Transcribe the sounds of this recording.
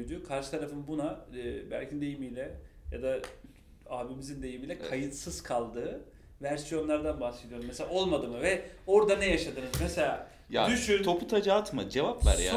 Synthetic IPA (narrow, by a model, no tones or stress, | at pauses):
jd̪yːkʰaɾʃɯ̥t̪ʰaɾafɯnbunabæ̰lʲcʰind̪e̞jimijlʲɛja̰d̪a | aːbimizind̪e̞jimiːlʲɛkʰajɯt̪sɯz̥kʰalˠd̪ɯː | væɾsijo̞nlˠaɾd̪anbahse̞d̪ijo̞ɾumeselʲao̞lˠmad̪ɯːmɯvɛo̞ɾd̪anɛjaʃad̪ɯːnɯzmɛse̞lʲaː | ja̰d̪yʃyt̪ʰo̞pʰut̪ʰad͡ʒaːt̪ma̰d͡ʒevapva̰ɾja̰